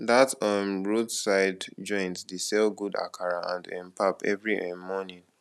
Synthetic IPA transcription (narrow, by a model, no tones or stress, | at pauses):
datɔmɹodsaɪdd͡ʒɔ̃ɪ̃ntdisɛlɡuda̰kʰaɹaãndɛ̰̃mpʰapɛ̰vɹiʔɛ̃mɔnĩn